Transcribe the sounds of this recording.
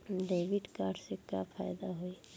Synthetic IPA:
ɖeːʋɪɖkaːɾɖsekafʰaːjd̪aɦoi

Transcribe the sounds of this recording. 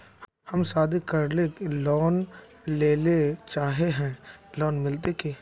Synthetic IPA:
hɐmsaːd̪ikɐɾlekelɔːn | leːlet͡ʃaːɦeɦɛ̃ːlɔːnmɪlt̪̬eke

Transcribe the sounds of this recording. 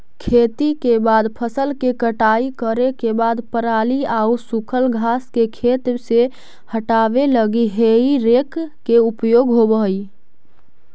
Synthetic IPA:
kʰet̪ikebad̪pʰəsəlkekəʈaikəɾekebad̪pəɾaliausukʰəlɡʱaskekʰet̪se | həʈabeləɡiɦeiɾekː | eupjoɡɦobəɦj

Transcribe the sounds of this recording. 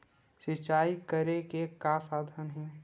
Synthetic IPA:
sɪt͡ʃaːikəɾekekasaːd̪ʱənɦɛ̃ː

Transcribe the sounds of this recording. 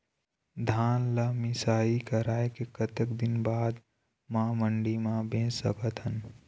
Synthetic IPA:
d̪ʱaːnlamɪsaːikɐɾaːekekɐt̪əkd̪ɪnbaːd̪ | mãːməɳɖimãbẽːsɐ̰kət̪ɦən

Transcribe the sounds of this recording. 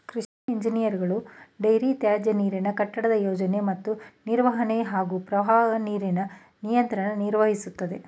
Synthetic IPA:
kɾiʂnɐiɲd͡ʒinijɐɾiɡɐɭuɖɐjɾit̪jaːd͡ʒɐniːɾinɐkɐʈːɐɽɐd̪ɐjoːd͡ʒɐne̞mɐt̪ːuniɾʋɐɦɐneɦaːɡuːpɾɐʋaːɡɐniːɾinɐ | nijɐnt̪ɾɐnɐniɾʋɐɦisut̪ːɐd̪e̞

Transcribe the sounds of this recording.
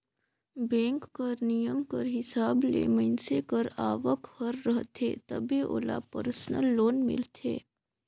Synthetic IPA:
bɛ̃ːŋkːəɾnijəmkəɾɦɪsaːblḛːmənsekəɾaːʋəkhəɾːəɦt̪ʰeːt̪ɐbiʔo̰ːla̰pə̰ɾsənəlːoːnmɪ̰lt̪ʰḛː

